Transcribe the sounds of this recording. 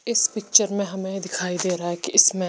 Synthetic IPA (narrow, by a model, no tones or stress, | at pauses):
ɪspɪk̚t͡ʃəɾmɛ̃ɦəmẽːd̪ɪkʰaːid̪eːɾaːɛːkiʔɪsmɛ̃ː